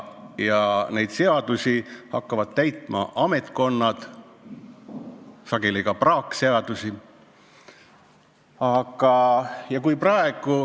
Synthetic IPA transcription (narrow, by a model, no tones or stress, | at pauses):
jɑne̞jd̪se̞ɑd̪̥usihɑkːɑvɑd̪̥̚t̪æjt̪ˑmɑ̰ʔɑme̞t̪ˑko̞nːɑd̪̥ | sɑɡ̥e̞liɡ̥ɑprɑːkːˑse̞ɑd̪̥usi | ɑɡ̥ɑjɑkujprɑe̞ɡ̥u